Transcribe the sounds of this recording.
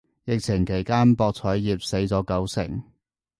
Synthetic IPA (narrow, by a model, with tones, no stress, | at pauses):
jɪ˨k̚t͡sʰɪ˨˩ŋkʰe˨˩jkaː˥npɔː˧k̚t͡sʰɔː˨˥jjiː˨p̚se˨˥jt͡sɔː˨˥kɐ˨˥wsɪ̰˨˩ŋ